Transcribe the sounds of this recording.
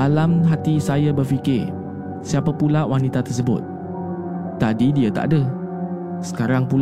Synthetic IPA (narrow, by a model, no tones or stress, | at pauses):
alamɦat̪isajabərfikɪr | siapapulawanit̪at̪ərsəbʊ̰t̪̚ː | adidiat̪a̰ʔdə | sə̥kaɾaŋpul